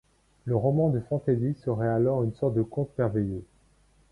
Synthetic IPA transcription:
ləʁɔmɑ̃d̪əfɑ̃t̪ezisəʁɛalɔʁynsɔʁt̪̚d̪əkɔ̃t̪mɛʁvejø

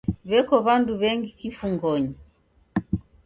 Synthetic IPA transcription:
βɛkɔβanduβɛŋɡikifuŋɡɔɲi

